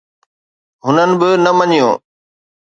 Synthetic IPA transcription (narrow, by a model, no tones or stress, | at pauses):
ɦʊnənɪ̆bɪnɐmɐɲijõː